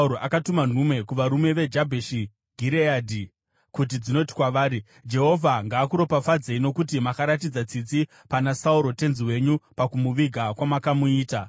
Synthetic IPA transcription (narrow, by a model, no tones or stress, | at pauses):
uɾoʔakatuman̤ume̞kuʋaɾume̞ʋe̞d͡ʒabʱeʃi | ɡʱiɾeaːdʱi | kut̬id͡zino̞ti̥kwaʋaːɾi | d͡ʒe̞ɦo̞vʱaŋɡaːkuɾo̞pafad͡zeino̞kut̬imakaɾat̬id͡zat͡sit͡si | panasauɾo̞te̞nziwe̞ɲupakumuʋiɡʱakwamakamuiːta